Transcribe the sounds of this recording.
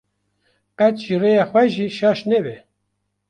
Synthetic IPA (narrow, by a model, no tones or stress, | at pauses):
qɛt̪ʒirejɑxwɛʒiʃɑʃnebɛ